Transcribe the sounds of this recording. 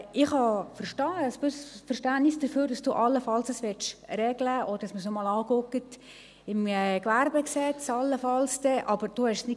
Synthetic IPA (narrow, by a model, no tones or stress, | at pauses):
ɪχhɑfəɾʃtɑːəsb̥øsfərʃtænnɪsd̥əɾføːɾdɑsd̥uːʔɑlːəfɑlsəsʋɪt͡ʃɾɛɡləʔɔɾdɑsməsnɔmɑːlɑːkʊkət | ɪmːkʋæɾbɛksɛt͡sɑlːəfɑlsd̥ɛʔɑb̥əɾd̥uːhɛʃsnɪ